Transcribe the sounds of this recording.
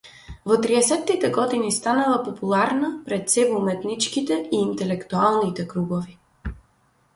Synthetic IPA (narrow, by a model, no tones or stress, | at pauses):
vɔt̪ɾiɛsɛt̪ːit̪ɛɡɔd̪inist̪anavapopulˠaɾnapɾɛt̪sɛvmɛt̪nit͡ʃkit̪ɛiːnt̪ɛlɛkt̪ualˠnit̪ɛkɾuɡovi